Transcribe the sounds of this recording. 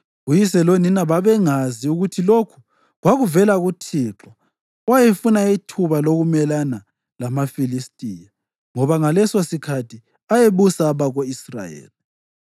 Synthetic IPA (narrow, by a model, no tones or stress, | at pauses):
ɣujisɛloninaβaβɛŋaziuɣutʰilokʰu̥ | ɣwaɣuvɛlaɣutʰiǁɔ | wajefunaitʰuβaloɣumɛlana | lamafilistʼiːja | ŋɔβaŋalɛsosikʰatʰi | ajeβusaːβaɣoisra̰jḛːli